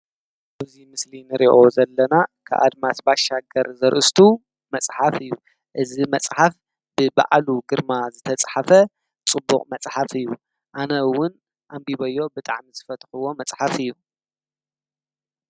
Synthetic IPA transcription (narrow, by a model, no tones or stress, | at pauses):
ʔɨzimɨslinɨɾḭʔo̞zɐlːɐnakʰa̰ʔa̰d̪masbaʃːaɡɐɾzɐɾʔɨst̪ʰu | mɐt͡sʼħafɨjːu | ʔɨzimɐt͡sʼħaf | b̥ɨba̰ʕluɡɨɾmazɨt̪ʰɐt͡sʼħafɐ | t͡sʼɨbːuqʼmɐt͡sʼħafɨjːu | ʔanɐwːʊn | ʔambiβɐjo̞bɨt̪ʼa̰ʕmizɨfɐt̪xɨwo̞mɐt͡sʼħafɨjːu